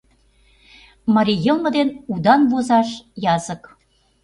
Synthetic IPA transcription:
mɑɾʲijɤlˠmə̆d̪enud̪ɑnβozɑʃjɑzək

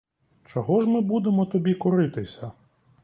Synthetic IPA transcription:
t͡ʃɔɦɔʒmɪbud̪emɔt̪ɔbʲikʊɾɪt̪ɪsʲɐ

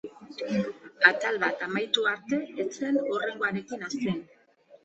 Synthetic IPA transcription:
at̪alβat̪amajt̪uaɾt̪e̞ːt͡se̞nore̞ŋɡo̞aɾe̞kinast̪en

